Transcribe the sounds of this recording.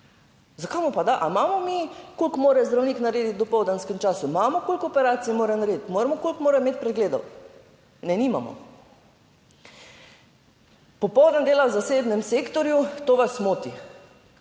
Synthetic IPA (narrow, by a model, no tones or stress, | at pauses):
zakamupad̪aʔa̰maːmɔmikolkmoːɾɛzd̪ɾawniknaɾeːd̪it̪̚d̪ɔpɔwd̪anskɛmt͡ʃaːsumaːmɔkolʲkɔpɛɾaːt̪sijmoːɾɛnaɾeːd̪it̪moːɾɛmɔkolkmoːɾɛmeːt̪̚pɾɛd̪ɡleːd̪ɔ̰w | nɛnima̰mɔ̰ | pɔpɔwd̪and̪eːlawzaseːbnɛmseːkt̪ɔɾjut̪oːʋasmoːt̪i